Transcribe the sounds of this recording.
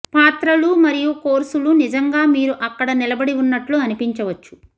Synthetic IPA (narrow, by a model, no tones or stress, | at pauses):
paːt̪ɾɐlumɐɾijukoːɾsulunid͡ʒɐŋɡaːmiːɾuʔɐkːɐɽɐnilɐbɐɽiunːɐʈluɐnipiɲt͡ʃɐʋɐt͡ʃːu̥